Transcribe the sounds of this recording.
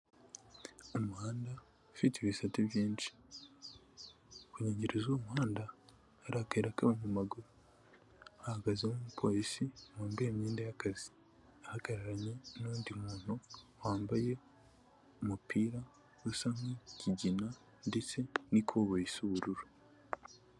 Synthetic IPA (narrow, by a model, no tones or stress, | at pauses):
omuhaːnda | fiteβisatiβjiːnt͡ʃi̥ | kuɲeːɲɟeɾezoːmuhaːndaː | ɾaːkaiɾakaβamumaɡuɾu | ahaɡazemomupʰo̞ːɾisiwaːmbajemɲiːndajakazi̥ | ahaɡ̥aɾaɾaɲe̞nuːndimuːn̥huwaːmbaje̞ | omupʰiːɾa | ɾusamecʰiɟina | ndet͡se̞nikʰoβojisuβuɾuɾu